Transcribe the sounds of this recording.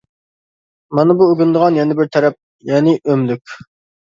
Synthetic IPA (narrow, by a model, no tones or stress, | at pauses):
mɑnɨbuøɡʲynd̪əʁɑnjɛnɪbɪɾt̪ʰɛɾɛp̚ | jɛːnɪʔømlykʲ